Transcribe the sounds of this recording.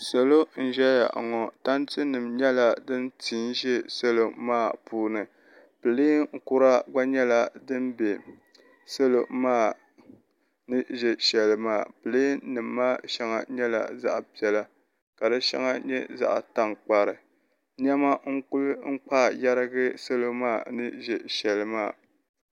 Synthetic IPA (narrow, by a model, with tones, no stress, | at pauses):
so˨lo˦n̩˨ʒɛ˦ja̰˨ʔŋɔ˨ta˦ntɨ˦nɨ˨mɲɛ˦la˨dɨ˦ntʰi˨˦n˦ʒɛ˦so˦lo˨maː˦˨puː˦nɨ˨ | pɨ˨li˦ŋ̩˨ku˦ɾa˦ɡ͡ba˦ɲɛ˦la˨dɨ˦m˦be˨ | so˦lo˨maː˦˨ | nɨ˦ʒɛ˦ʃɛ˨lɨ˨maː˦˨pɨ˨li˦nɨ˨mːaː˦ʃɛ˦ŋa̰˨ɲɛ˦la̰˨za̰˦ʔpi˨ɛ˨la˦ | ka˨dɨ˦ʃɛ̰˦ŋa˦ɲɛ̰˦za̰˦ʔta˦ŋk͡pa˨ɾɨ˨ | ɲɛ˦ma˦ŋ̩˦ku˦lɨ˦ŋ̩˦k͡pa˦˨ja˦ɾɨ˦ɡɨ˦so˦lo˦maː˦˨nɨ˦ʒɛ˨ʃɛ˨lɨ˦maː˦˨